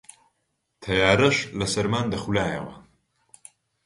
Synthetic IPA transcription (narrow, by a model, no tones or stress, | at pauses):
t̪ʰɐjaːɾɐʃlɐsɐɾmaːnd̪ɐxulaːjɐ̰wɐ̰